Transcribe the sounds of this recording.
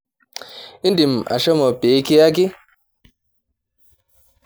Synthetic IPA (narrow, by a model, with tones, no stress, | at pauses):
i˦ndi˨ma̰˨ʃɔ˦mɔ˨pe˨˦ki˦ja˦ki˦